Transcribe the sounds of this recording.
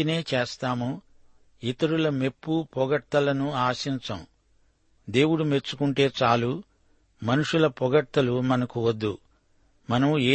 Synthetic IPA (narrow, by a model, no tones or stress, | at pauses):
ine̞ːt͡ʃeːst̪aːmu | it̪ɐɾulɐme̞pːupɔɡɐʈt̪ːɐlɐnuaːsint͡ʃɐ̰m | d̪e̞ːwuɽume̞t͡ʃːu̥kuɳʈe̞ːt͡ʃaːlu | mɐnuʂulɐpɔɡɐt̪ːɐlumɐnɐkuwɐd̪ːṵ | mɐnɐmeː